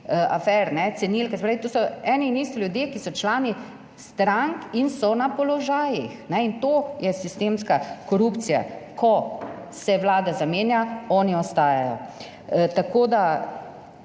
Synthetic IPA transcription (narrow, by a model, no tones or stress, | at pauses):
a̰fɛɾnɛt̪sɛniːlkɛsepɾaʋit̪osɔɛːniːniːst̪iljud̪jekisɔt͡ʃlaːni | st̪ɾaŋkinsɔnapɔlɔʒaːjixnɛint̪ojɛsist̪eːmskakɔɾupt̪sija̰kɔsɛʋlaːd̪azameːnjaɔːniɔst̪aːjajɔ̰ | t̪akoːd̪a